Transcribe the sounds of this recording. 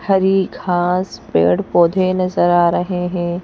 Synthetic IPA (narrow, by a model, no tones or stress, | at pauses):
hɐɾikʰaːspḛːɽpoːd̪ʱenɐzəɾaːɾɐɦeɦɛ̃ː